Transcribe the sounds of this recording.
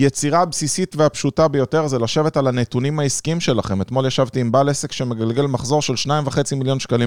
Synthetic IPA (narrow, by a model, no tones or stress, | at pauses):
jet͡siʁabsisit̪veapʃutabejo̞te̞ʁzelaʃe̞ve̞talanetunimaiskiimʃe̞laχe̞met̪mo̞ljaʃavt̪iːmbalese̞kʃemeɡalɡe̞lmaχzo̞ʁʃe̞lʃnaimvaχe̞t͡similjo̞nʃkalim